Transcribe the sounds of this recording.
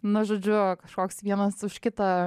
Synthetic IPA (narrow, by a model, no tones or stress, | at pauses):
nʊʒoːd͡ʒʲʊkɐʃkoːksʋʲiɛnɐsʊʃkʲɪt̪ɐ